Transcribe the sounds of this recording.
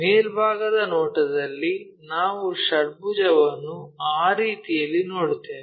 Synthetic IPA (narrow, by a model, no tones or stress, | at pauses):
meːɾbʱaːɡɐd̪ɐnoːʈɐd̪ɐlːi | naːʋuʃɐɽ̚bud͡ʒɐʋɐnːuaːɾiːt̪ijɐlːinoːɽut̪ːeːʋe